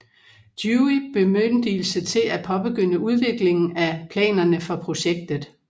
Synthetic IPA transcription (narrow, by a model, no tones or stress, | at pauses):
d̥juib̥e̝mønd̥il̩sət͡sʰe̝læpʰɒ̽b̥e̝ɡ̥øn̰əʔuð̞ˠʋe̝ɡ̥le̝ŋn̩æpʰlɛ̰ːnɐnəfɒ̽pʰʁo̝ɕeɡ̥̚d̥ð̩ˠ